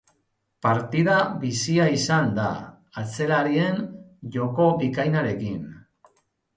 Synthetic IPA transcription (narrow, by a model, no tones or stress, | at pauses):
paɾt̪iðaβisiaisand̪a̰ | at͡se̞laɾie̞nʝo̞ko̞βikajnaɾe̞kin